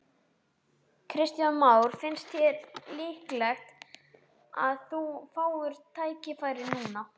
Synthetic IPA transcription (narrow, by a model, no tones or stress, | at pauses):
kʰɾɪst̪janmaːwɾ̥fɪnst̪ʰɪllɪhklɛxt̪ | a̰ðθufaːwʏɾ̥t̪ʰaːjcɪfajɾɪnuːna